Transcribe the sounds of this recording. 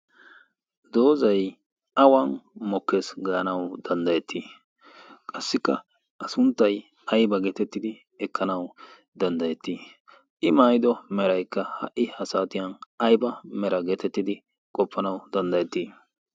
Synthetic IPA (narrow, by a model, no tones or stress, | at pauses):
d̪o̞ːzɐj | ʔɐwɐnmɔkːesɡɐʔɐnɐwd̪̥ɐnd̪ɐjɛt̪ʰːi | kʼɐsːɪkːɐ̰ | ʔɐsʊnt̪ːɐj | ɐjbɐɡeːt̪ɛt̪ːɪd̪ɪ | ɛkːɐnɐw | d̪ɐnd̪ɐjɛt̪ːi | ʔɪmaːjɪd̪ɔmɛɾɐjkːɐhɐ̰ʔːɪhɐsaːt̪ɪjɐnɐjbɐmɛɾɐɡeːt̪ɛt̪ːɪd̪ɪ | kʼɔpːɐnɐwd̪ɐnd̪ɐjɛt̪ːiː